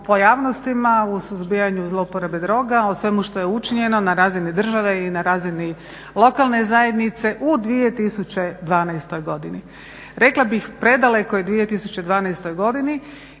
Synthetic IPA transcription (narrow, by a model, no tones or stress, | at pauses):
po̞jaːʋnost̪imausuzbijaɲuzlˠoupoɾebed̪ɾo̞ːɡaosʋe̞muʃt̪o̞jeut͡ʃiɲe̞no̞naɾaːzinid̪r̩ʒaʋeinaɾaːzini | lˠo̞kalˠne̞zaje̞d̪nit̪se̞ʔud̪ʋije̞t̪isut͡ɕe̞d̪ʋaːnajst̪o̞jɡo̞d̪ini | ɾeklˠabixpɾe̞d̪alekojed̪ʋije̞t̪isut͡ɕe̞d̪ʋaːnajst̪o̞jɡo̞d̪ini